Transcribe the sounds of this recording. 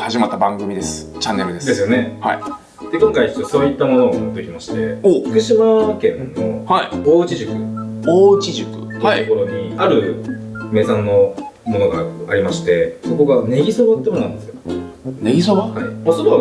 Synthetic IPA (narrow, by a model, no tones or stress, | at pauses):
haʑimat̪ːabãŋɡɯ̟mʲid̪e̞sɨ̥t͡ɕãnːeɾɯd̪e̞d̪e̞sɨjo̞ne̞hai | d̪̥e̞kõ̞ŋkait͡ɕot̪ːoso̞ːit̪ːamo̞no̞ːmot̪ːokʲimaɕi̥t̪e̞oɸɯ̥kɯ̟ɕimakẽ̞nːo̞haioːt͡ɕiʑɨkɯ̟oːt͡ɕiʑɨkɯ̟̥̰ookoɾo̞ɲ̟iaɾɯ̟me̞ːsãnːo̞ | mo̞no̞ɡaaɾʲimaɕi̥t̪e̞so̞ko̞ɡane̞ɡʲiso̞βat̪ːemonnãnd̪esɨjoneɡʲisobahaimosod̪o